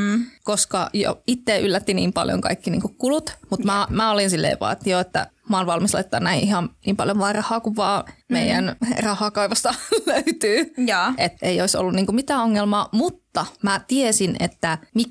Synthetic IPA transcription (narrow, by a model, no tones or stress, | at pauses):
koskɑ̰jo̰it̪ːeːʔylːæt̪ːinḭːmpɑ̰ljo̰ŋkɑ̰ikːinḭːŋkukkulut̪mut̪mæmæolinsilːḛːʋʋɑ̰ːt̪ioet̪ːæ̰mɑːnʋɑlmislɑ̰it̪ːɑːnnæiʔʔihɑnniːmpɑljoʋʋɑːrɑhˑɑːkuʋʋɑːmeijæ̰nrɑhɑkɑiʋɑst̪ɑløyt̪yːjʔet̪ːeioiso̰lːunniːŋkumit̪æːoŋːelmɑːmut̪ːɑmæt̪iesinḛt̪ːæmi